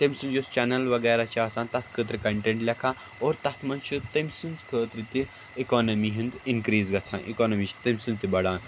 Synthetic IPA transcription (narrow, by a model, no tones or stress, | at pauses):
t̪emʲsɨ̃nd͡ʒost͡ʃɐnɐlʋɐɡɐːɾat͡ʃʰiaːsaːnt̪ɐt̪ʰkʰət̪ɾɨkɐɳʈeɳʈlʲɐkʰaː | oːɾt̪ɐt̪ʰmɐnt͡ʃʰit̪ɐmʲsinzkʰəːt̪ɾit̪i | ikoːnɐmiɦĩnd̪inkɾiːzɡɐt͡sʰã̰ːnʔḭkoːnɐmit͡ʃʰi̥t̪ɐmʲsɨ̃nzt̪ibɐɽaːn